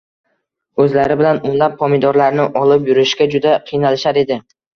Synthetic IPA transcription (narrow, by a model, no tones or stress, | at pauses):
ɵzlaɾɪbɪlanʊnlapʰːɒmid̪ɒɾlaɾnɪʔɒlˠɪpjʊɾɪʃkʲad͡ʒʊd̪aqʰɨjnalɪʃaɾe̞d̪ɪ